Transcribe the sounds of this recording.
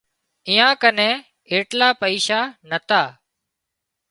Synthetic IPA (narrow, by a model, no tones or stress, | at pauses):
ɪjãːkənẽː | eːʈlaːpəiːʃaːnət̪aː